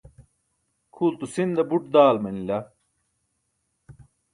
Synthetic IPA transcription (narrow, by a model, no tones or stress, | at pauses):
kʰult̪usind̪ɐbuʈ̚d̪aːlmenilʲɐ